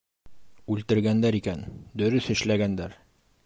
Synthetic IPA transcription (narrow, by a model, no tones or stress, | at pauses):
ʉlt̪ɘ̆ɾɡænd̪æɾikænd̪ɵ̆ɾɵθɘ̆ʃlæɡænd̪æɾ